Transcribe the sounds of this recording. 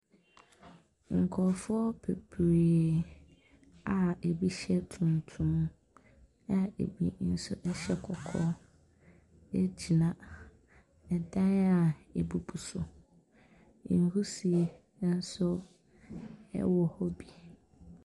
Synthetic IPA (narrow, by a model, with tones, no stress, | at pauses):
ŋ̩˨kʰɔ˨fʊ˦ɔ˦pʰe˨pʰɾe˨ | a˨e˨bi˦ɕɛ˦tʰũ˨ntʰũ˦m | a˦ḛ˨bḭ˨n̩˦sʊ̰˦ʔɛ˦ɕɛ˦kʰɔ˨kʰɔ˦ | ɛ˦d͡ʑi˨nã˨ | ɛ˨dã˦na˨e˨bu˨bʰu˨sʊ˨ | n̩˨hu˦si˨e˨ | nã˦n̩˦sʊ˦ | ɛ̰˦wɔ˨hɔ˦bi˨